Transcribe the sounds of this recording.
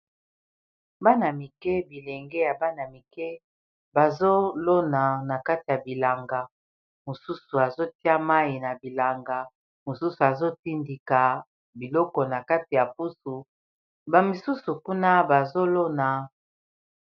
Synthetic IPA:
ba˦na˨mi˨kɛ˦bi˨le˨ŋɡɛ˦ja˨ba˦na˨mi˨kɛ˦ | ba˨zo˦lo˦na˨na˨ka˦ti˨ja˨bi˨la˨ŋɡa˨ | mo˨su˦su˨a˨zo˦ti˦a˦ma˦ji˨na˨bi˨la˨ŋɡa˨ | mo˨su˦su˨a˨zo˦ti˦ndi˨ka˨ | bi˨lɔ˦kɔ˨na˨ka˦ti˨ja˨pu˦su˨ | ba˨mi˨su˦su˨ku˦na˦ba˨zo˦lo˦na˨

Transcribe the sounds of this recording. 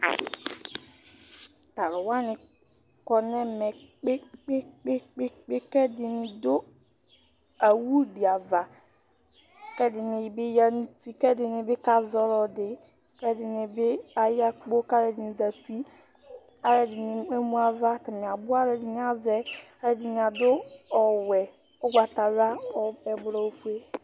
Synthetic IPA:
ta˨ɾʊ˨wa˦nɪ˨ | kɔ˨nɛ˦mɛ˨k͡pk͡p | k͡pe˦kɛ˦dɪ˨nɪ˨dʊ˦ | a˨wu˦di˨a˨va˨ | kɛ˦dɪ˨nɪ˨ji˨bɪ˦ja˦nu˦ti˦kɛ˦dɪ˨nɪ˨bɪ˦ka˦zɔ˦lɔ˨dɪ˨ | kɛ˦dɪ˨nɪ˨bɪ˦a˨ja˦k͡po˦ka˦ɾɛ˨di˨ni˨za˨ti˦ | a˨ɾɛ˨dɪ˨ni˨e˦mũ˦a˨va˦ta˨mi˨a˨bʊ˦a˦ɾɛ˨dɪ˨n˨˦a˨zɛ˨a˦ɾɛ˨di˨n˨a˨dʊ˦ɔ˨wɛ˨ | ʊ˦ɡʷa˨ta˨ɾa˦ɔ˨ɛ˨bɾɔ˨o˨fu˦e˦

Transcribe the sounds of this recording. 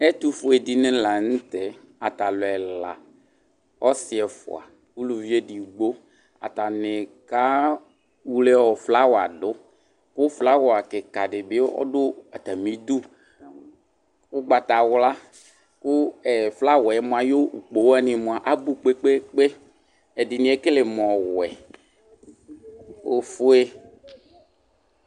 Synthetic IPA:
ɛ˦t̪u˦fʊ˦ɛ˨di˨nɪ̃˦la˨n̩˦t̪ɛ˨ | a˨t̪a˨lʊ˨ɛ˨la̰˨ | ɔ˦sɪ˨ɛ˨fʊ̰˨a̰˨ | wu˦lu˨vi˦e˦di˨ɡ͡bo˦ | a̰˨t̪a˨nɪ̃˨ka˦ | wu˦le˦wɔ˨fla˦wɔ˨a̰˨dʊ˨˦ | kʊ˦fla˦wɔ˨a˨kɪ˨ka˨dɪ˨be˦ɔ̰˦dʊ˦a˨t̪a˨mĩ˨˦d̪ʊ˦ | wʊ˦ɡ͡ba˨t̪a˨wla˦ | kʊ˦ɛ˨fla˦wɛ˨ɛ˦m˨a˨jo˦u˨k͡po˨wa˦nĩ˨mõ˨a˨ʔa˦bu˦k͡pe˦k͡pe˦k͡pe˦ | ɛ˨dɪ˨nĩ˦ɛ˦kɪ˦lɪ˨m˨ɔ˨wɛ˨ | o˨fʊ˦e˦

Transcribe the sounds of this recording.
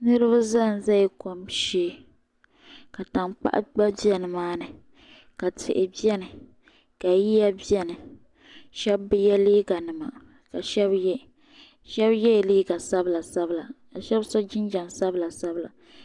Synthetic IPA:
nɨ˦ɾɨ˦ba˦za˦˨n˨za˦i˦ko˦mʃeː˦ | ka˨ta˨ŋk͡pa̰˦ʔa̰˦ɡ͡ba˦bi˦ɛ˦nɨ˨maː˦nɨ˨ | ka˨tʰɪ̰˨ʔɪ˨bi˦ɛ˦nɨ˨ | ka˨ji˦ja˦bi˦ɛ˦nɨ˨ | ʃɛ˦bːɨ˦jɛ˦liː˦ɡa˨nɨ˨ma̰˨ | ka˨ʃɛ˦bjɛ˦ | ʃɛ˦bjɛ˦˨liː˦ɡa˨sa˦bla˨sa˦bla˨ | a˨ʃɛ˦bsɔ˦d͡ʒɪ˦nd͡ʒa˨nsa˦bla˨sa˦bla̰˨

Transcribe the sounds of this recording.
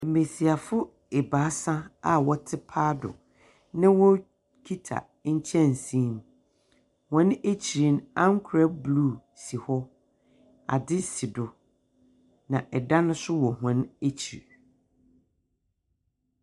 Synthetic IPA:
m̩˨mẽ˨si˨a˨fʊ˦ | e˨ba˨˦sã˦a˨wɔ˦tʰɪ˦pʰaː˦dʊ̰˨ | nɪ̃˦wɔ˦ | kʰi˦tʰa̰˨ | ɲ̩˦t͡ɕʰɛ̃˦n˨sĩ˦m˦ | hɔ̃˦ne˦t͡ɕʰi˨ɾi˨˦nã˦ŋ̩˦kʰʊ˨ɾa˦bluː˦˨ | si˨hɔ˦ | a̰˨dɪ˦si˨dʊ˨ | nã˨ʔɛ˨dã˦nʊ̃˦sʊ˦wɔ˨ɦɔ̃˨ne˦t͡ɕʰi˨ɾ

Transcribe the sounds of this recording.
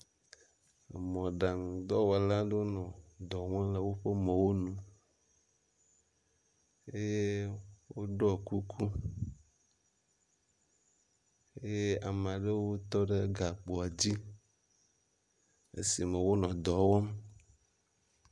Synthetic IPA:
mɔ̃˨ɖa˨ŋũ˨d̪ɔ˦wɔ˨la˦ɖo˦nɔ̃˨d̪ɔ˨ŋ˦ã˦le˦wo˦ɸe˦mẽ˨wo˦nũ˦ | e˦je˦wo˦ɖɔ˦˨ku˦kʰu˦ | e˦je˦a˨m˨a˨ɖe˦wo˦t̪ɔ˦ɖe˦ɡa˨k͡po˨a˨d͡ʑi˦ | ḛ˦si˨mẽ˨wo˦nɔ̃˨d̪ɔ˨wɔ˦m

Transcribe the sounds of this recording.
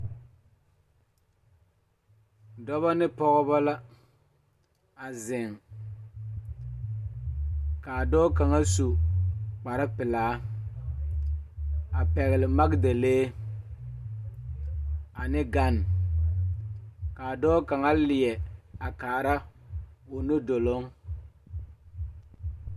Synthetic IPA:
dɔ˦βa˦nɪ˦pɔ˦ɣɔ˦ba˦la˦ | a˨zɪ˨ŋ | ka˨a˨dɔː˦ka˨ŋa˦su˨k͡pa˨ɾɪ˦pɪ˨laː˨˦ | a˨pɛ˨ɣɪ˨lɪ˨ma˦kde˨leː˦ | a˨nɪ˦ɡa˦n˨ | ka˨a˨dɔː˦ka˨ŋa˦lɪ˨jɛ˨a˨kaː˨ɾa˦ | ʊ˨no˦do˨lo˦ŋ

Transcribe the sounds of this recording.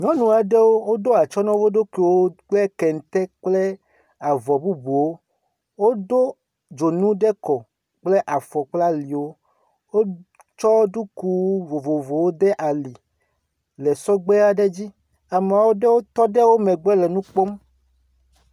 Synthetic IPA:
ɲɔ̃˦nũ˨a˨ɖe˦wo˦wo˦d̪o˦a˨t͡ʃɔ˦nɔ̃˦vo˦ɖo˦ke˨wo˦ɡ͡bɛ˦kɛ˨n˨t̪ɛ˦k͡ple˦ | a˨vɔ˨bu˦bu˨wo˦ | wo˦do˦ | d͡ʒo˨nũ˦ɖe˦kɔ˨ | k͡ple˦ʔa˨fɔ˨k͡pla˦li˨wo˦ | wo˦ | t͡ʃɔ˦ɖu˦ku˦vo˨vo˨vo˨wo˦d̪e˦ʔa˨li˨ | le˨sɔ˦ɡ͡be˦a˨ɖe˦d͡ʑi˦ | a˨m˨a˨wo˦ɖe˦wo˦t̪ɔ˦ɖe˦wo˦mẽ˨ɡ͡bɛ˦lɛ˨nũ˦k͡po˦m

